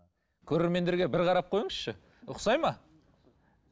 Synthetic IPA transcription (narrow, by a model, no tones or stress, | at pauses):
kʲʰɵɾe̞ɾme̞nd̪e̞ɾɡʲe̞bɪɾqʰɑɾɑp̚qʰo̞jəɴəsʃɪ | ʊ̰qsɑjmɑ